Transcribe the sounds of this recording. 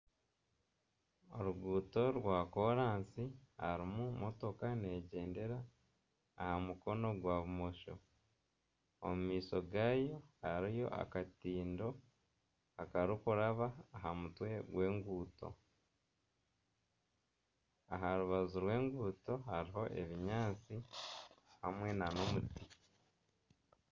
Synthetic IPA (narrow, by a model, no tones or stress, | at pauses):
o̰ɾuɡuːto̞ɾwakoɾaːnsiha̰ɾimumo̞to̞kane̞ːɟe̞ːnde̞ɾaː | hamuko̞no̞ɡwaβumoʃo̰ | o̰mumiːso̞ɡaːjo̞aɾijo̞̰ʔa̰katiːndo̞ | akaɾikuɾaβaːɦamutwe̞ɡwe̞ːŋɡuːto̞̰ | aɦaɾuβazuɾwe̞ːŋɡuːto̞haɾiɦo̞ʔe̞̰βiɲaːt͡si | ha̰mwe̞nano̞muti